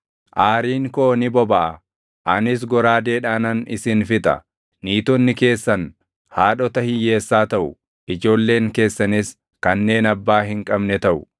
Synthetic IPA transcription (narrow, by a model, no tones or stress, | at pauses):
ʔaːɾiːŋkoːnɪbɔbɐʔɐ | ʔɐnɪs̬ɡɔɾaːd̪e̞ːᶑaːnɐnɪsɪnfɪt̪ʼɐ̰ | niːt̪ɔnːɪke̞ːsːɐn | haːᶑɔt̪ɐhɪjːe̞ːsːaːt̪ɐʔʊ | ɪd͡ʒo̞ːlːe̞ːŋke̞ːsːɐnɪs | kɐnːe̞ːnɐbːaːɦɪŋkʼɐbnɛt̪ɐʔʊ